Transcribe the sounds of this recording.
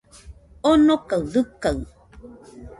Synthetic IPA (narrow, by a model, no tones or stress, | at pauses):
onokawðɨkaw